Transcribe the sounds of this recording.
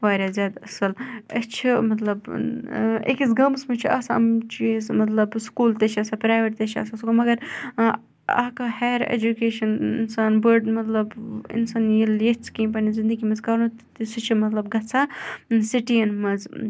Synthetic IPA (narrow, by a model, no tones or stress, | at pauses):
ʋaːɾʲaːzʲjaːd̪ɐsɐlɐt͡ʃʰimɐt̪lɐb | ḛkisɡɐmsmɐt͡ʃʰiaːsɐ̰mt͡ʃʰiesmɐt̪lɐbskuːlt̪et͡ʃʰɐsapɾaːjʋeʈt̪et͡ʃʰiɐ̰ːsasuɡomɐɡɐɾ | a̰ːkahajɾḛːd͡ʒukeːʃɐnḭnsaːnbəɾɖmɐt̪lɐbḭnsaːnjiljet͡sʰkĩːp̬ɐnizind̪əɡimɐzkɐɾnut̪t̪isɨt͡ʃʰimɐt̪lɐbɡɐt͡sʰasiʈijɐnmɐz